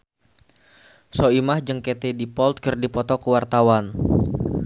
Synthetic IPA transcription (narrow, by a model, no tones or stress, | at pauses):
soimahd͡ʒɨŋket̪edipɔlt̪̚kərdipɔt̪ɔkəwart̪awan